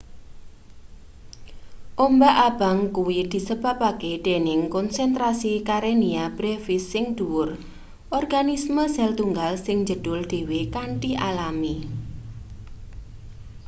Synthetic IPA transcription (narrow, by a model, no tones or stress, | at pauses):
ʔombaʔab̥a̤ŋkuwid̪̥i̤səb̥ä̤pakeɖ̪̥e̤nɪŋkɔnsɛnt̪ɾasikaɾeniab̥ɾefɪsːɪŋd̪̥uwʊr | ʔɔrɡanisməzɛlt̪uŋɡalsɪŋd͡ʒə̤d̥ʊld̪̥e̤wekaɳʈiʔalami